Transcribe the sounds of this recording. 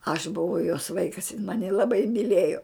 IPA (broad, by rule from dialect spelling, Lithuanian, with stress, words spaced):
ɐʃ bʊˈʋɐʊ joːs ˈʋɐɪkɐs jɪn ˈmɑːnʲɪ lˠɐˈbɐɪ mʲiːˈlʲeːjoː